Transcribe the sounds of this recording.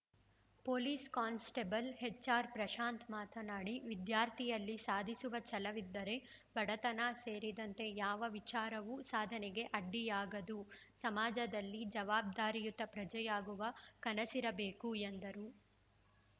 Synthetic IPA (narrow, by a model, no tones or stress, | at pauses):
poːliːskaːnsʈebɐlɦet͡ʃːaːɾpɾɐʃaːnt̪maːt̪ʰɐnaːɽiʋid̪jaːɾt̪ʰijɐlːisaːd̪ʱisuʋɐt͡ʃɐlɐʋid̪ːɐɾe̞ | bʱɐɽɐt̪ɐnaseːɾid̪ɐnt̪e̞jaːʋɐʋit͡ʃaːɾɐʋusaːd̪ʱɐnɛɡe̞ʔɐɖːijaːɡɐd̪u | sɐmaːd͡ʒɐd̪ɐlːid͡ʒɐʋaːb̚d̪aːɾijut̪ːɐpɾɐd͡ʒɐjaːɡuʋɐkɐnɐsiɾɐbeːkuend̪ɐɾu